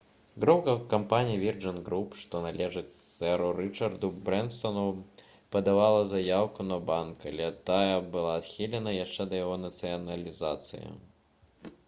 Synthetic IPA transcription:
ɡɾɔwkɐkampanʲijivʲird͡ʐɐnɡɾupʂt̪ɔnalʲɛʐɨt͡s̪ʲɛɾuɾɨt͡ʂɐrd̪ubɾɛnt̪sɐnu | pɐd̪avalˠɐzajawkunɐbankalʲɛt̪ajɐbɨlˠaːt̪xʲilʲɛnɐjaʂt͡ʂɛd̪ɐjaɣɔnɐt̪sɨjɐnɐlʲizat̪sɨ̰jḭ

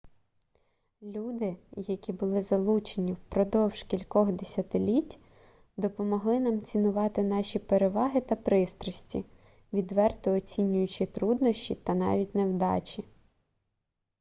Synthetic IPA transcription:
lʲud̪ɪjɐkʲibʊlˠɪzɐlˠut͡ʃenʲiwpɾɔd̪ɔwʒ̥kʲilʲkɔxd̪esʲɐt̪ɪlʲitʲ | d̪ɔpɔmɔɦlˠɪnɑmt͡sʲinʊʋɑt̪ɪnɑʃʲipeɾeʋɑɦɪt̪ɐpɾɪst̪ɾɔsʲtʲḭ | ʋʲid̪ʋɛrt̪ɔːt͡sʲinʲʊjʊt͡ʃit̪ɾud̪nɔʃʲt͡ʃʲit̪ɐnɑ̰ʋʲitʲnewd̪ɑ̰t͡ʃʲi

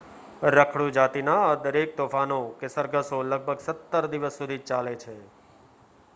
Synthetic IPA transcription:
ɾəkʰɽud͡ʒat̪inaad̪əɾek̚t̪ofanokesəɾɡəsoləɡ̚bʱəɡsət̪ːəɾd̪iʋəsːud̪ʱit͡ʃalet͡ʃʰe

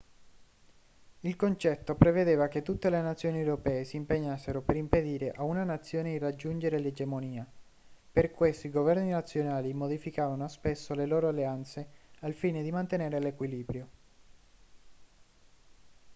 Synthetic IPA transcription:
ilkont͡ʃɛt̪ːopɾeved̪eːvaket̪ːut̪ːelenat̪sːjoːniewɾopɛːesiːmpeɲːasːeɾopeɾimped̪iːɾeʔaunanat̪sːjoːned̪irad͡ʒːund͡ʒeɾeled͡ʒemoniːa | perkwest̪oiɡovɛrninat̪sːjonaːlimod̪ifikaːvanoaspesːoleloːɾoalːeant̪sealfiːned̪imant̪eneːɾelekwiliːbɾjo

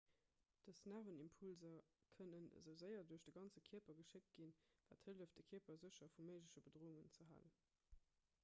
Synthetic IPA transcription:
d̥əsnaːvənimpʰulzɐkʰənənə̰zəʊzəɪɐduɐɕd̥əɡɑnt͡səkʰiəpɐɡəʃɪk̚t̚ɡ̥invaːthəldəfd̥əkʰiəpɐzəɕɐfuməɪʒləɕəbədʁoːuŋənt͡səɦa̰ːlə̰n

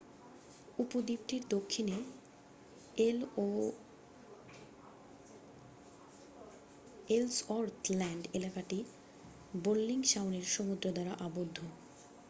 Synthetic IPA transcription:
upod̪ip̚ʈiɾd̪okʰːine | elo | elsɔɾt̪ʰlɛɳɖelakaʈi | bolːiŋʃaoneɾʃomud̪ɾod̪aɾaʔabod̪ʱːo

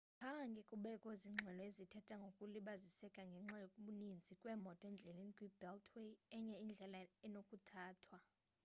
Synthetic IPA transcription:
pʰaŋkʼikʼuɓɛkʼoziŋ͡ǁʱɛlɔezitʰɛtʰʼaŋɡʱokʼuliɓazisɛkʼaŋɡʱɛŋ͡ǁajokʼuɓunind͡zʱikʼwɛːmɔtʼɔɛnd͡ɮʱɛlenikʼwibʱɛltʰwejɛɲɛind͡ɮʱɛlaɛnokʼutʰaːtʰwa

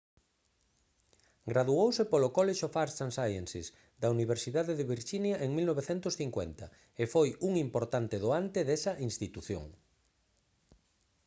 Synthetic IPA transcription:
ɡɾaðuowsepolokɔleʃofaɾst̪ansajensḛs | d̪ɐuniβ̞eɾsiðaðeðeβiɾʃinjɐʔeŋmilnoβeθent̪ʊsθiŋkwḛnt̪ɐ | efojuŋimpoɾt̪ant̪ɪðoant̪eðesɐʔinst̪it̪uθjo̰ŋ

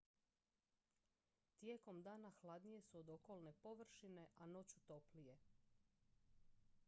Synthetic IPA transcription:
t̪je̞ːko̞md̪aːnaxlˠad̪nije̞suod̪o̞ko̞lˠne̞po̞ʋr̩ʃine̞ʔano̞t͡ɕut̪o̞plije̞

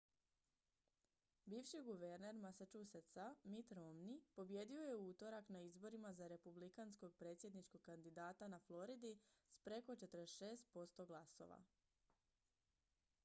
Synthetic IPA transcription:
biːʋʃiɡuʋe̞ɾne̞ɾmasat͡ʃuset̪samit̪ɾomnipo̞bje̞ːd̪io̞je̞ut̪o̞ɾaknaizbo̞ɾimazaɾe̞publikansko̞ɡ̚pɾe̞t̪sje̞d̪nit͡ʃko̞ɡ̚kːand̪id̪aːt̪anaflˠo̞ɾid̪ispɾe̞ko̞t͡ʃe̞t̪əɾeʃe̞ːst̪̚po̞st̪o̞ɡlˠaso̞̰ʋa̰

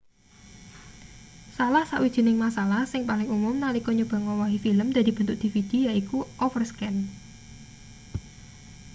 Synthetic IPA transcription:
salahsaʔwid̥ʒ̥i̤nɪŋmasalahsɪŋpalɪŋumʊmnalikɔɲub̥a̤ŋɔwɔɦifiləmd̪̥a̤d̪i̤b̥ənt̪ʊk̚d̪̥i̤fid̪̥i̤jaikuʔɔfərskɛn

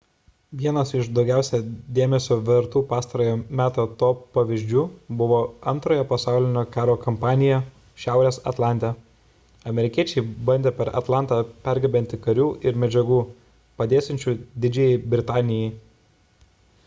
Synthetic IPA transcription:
ʋʲiɛnɐsɪʃd̪ɒʊɡʲæˑʊsʲɛd̪ʲeːmʲɛsʲoːʋʲɛɾt̪uːpɑːst̪ɐɾoːjoːmʲæːt̪oːt̪oːpɐʋʲɪʒʲd͡ʒʲuːbʊʋoːɐnt̪ɾoːjɛpɐsɑˑʊlʲɪnʲoːkɑːɾoːkɐmpɑːnʲɪjɛ | ʃʲæˑʊɾʲeːsɐ̰t̪lˠɑˑnʲt̪ʲɛ | ɐmʲɛɾʲɪkʲiɛt͡ʃʲɛɪbɐnʲd̪ʲeːpʲɛɾɐ̰t̪lˠɑˑnt̪ɑːpʲæˑɾɡʲɐbʲɛnʲt̪ʲɪkɐɾʲuːʔɪɾmʲɛd͡ʒʲɛɡuː | pɐd̪ʲeːsʲɛnʲt͡ʃʲuːd̪ʲɪd͡ʒʲɛjɛɪbʲɾʲɪt̪ɑːnʲɪjɛɪ

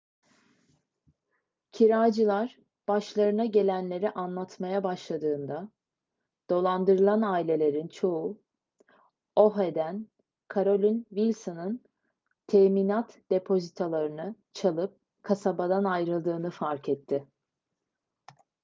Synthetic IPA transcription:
cʰiɾaːd͡ʒɯlˠaɾ | b̥aʃlˠaɾɯnaɟe̞lʲænlʲe̞ɾiʔanlˠat̪ʰmajabaʃlˠad̪ɯːnd̪a | d̪̥o̞lˠand̪ɯɾɯlˠanaːilʲe̞lʲe̞ɾint͡ʃʰo̞ʊ | o̞ɦe̞d̪æn | kʰaɾo̞lʲynvilʲsonɯn | t̪ʰɛmiːnat̪d̪̥e̞pʰo̞zit̪ʰalˠaɾɯnɯ | t͡ʃʰalˠɯp̚ | kʰasabad̪anajɾɯlˠd̪ɯːnɯfaɾkʰɛt̪ʰːɪ

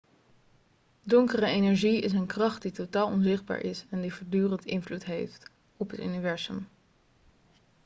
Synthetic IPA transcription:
dɔŋkərəejnɛɹʒiɪs̬ənkrɑχt̚ditotaːlˠɔnzɪχ̚ba̰ːɹʔɪsɛndivɔːɹdyːrəntɪ̰nvlutɦejft | ɔpɦəty̰nivɛɹzə̰m

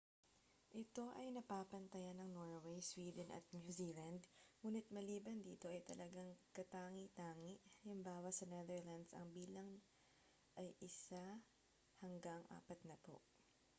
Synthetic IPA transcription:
ʔɪt̪o̞ʔɐjnɐpaːpɐnt̪ɐjanɐŋnoɹwejswiːd̪ɛnʔɐ̰t̪̚njuziːlɐnd̪ŋuːnɪt̪̚mɐliːbɐnd̪iːt̪o̞ʔɐjt̪ɐlʔɐɡaŋkɐt̪aːŋit̪aːŋɪʔhɐlɪŋbaːwɐsɐnɛðɛɹlɐnd̪sɐ̰ŋbiːlɐŋ | ʔɐjʔɪsa | hɐŋɡaŋʔa̰ːpɐt̪̚nɐpo̰ʔ

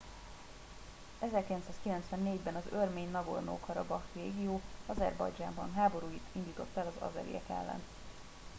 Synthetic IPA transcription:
ɛzɛrkilɛnt̪saːskilɛnt̪sʋɛnːeːɟbɛnɒzørmeːɲnɒɡo̰rno̰ːkɒɾɒbɒreːɡijoːɒzɛ̰rbɒ̰jd͡ʒaːmbɒnɦaːbo̞ɾuːjit̪ind̪iːt̪o̞t̪ːɛlɒzɒ̰zɛ̰ɾḭjɛ̰kɛ̰lːɛ̰n

